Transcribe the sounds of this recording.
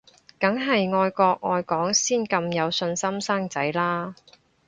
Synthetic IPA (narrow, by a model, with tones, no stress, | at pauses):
kɐ˨˥ŋɦɐ˨jŋɔː˧jkɔː˧k̚ŋɔː˨˧jkɔː˨˥ŋsiː˥˩nkɐ˧mjɐ˨˧wsɵ˧nsɐ˥msaː˥ŋt͡sɐ˨˥jlaː˥